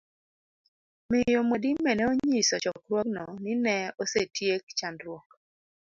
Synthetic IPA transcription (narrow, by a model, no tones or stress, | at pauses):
mɪjomodimːɛnɛoɲisɔt͡ʃɔkɾwɔknɔnɪnɛosetjek̚t͡ʃandɾwɔk